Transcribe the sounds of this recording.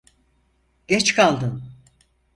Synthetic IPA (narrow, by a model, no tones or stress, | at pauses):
ɟ̥ɛt͡ʃkʰalˠd̪ɯn